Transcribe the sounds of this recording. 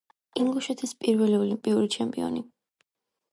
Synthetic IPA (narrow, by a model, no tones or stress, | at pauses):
iŋɡluʃɛt̪ʰispʼiɾvɛliɔlimpʼiuɾit͡ʃʰɛmpʼiɔ̰ni